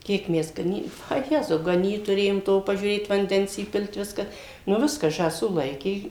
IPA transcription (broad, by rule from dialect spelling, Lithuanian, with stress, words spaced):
ˈkʲiɛk ˈmʲɛs ɡɐˈnʲiː ɐ ˈjæːzɐʊ ɡɐˈnʲiːt tʊˈrʲeːjoːm ˈtoː pɐʒʲuːˈrʲeːt ʋɐnʲˈdʲɛns iːˈpʲɪlʲtʲ ˈʋʲɪskɑː nʊ ˈʋʲɪskɑː ʒɑːˈsuː ˈlˠɐɪkʲeː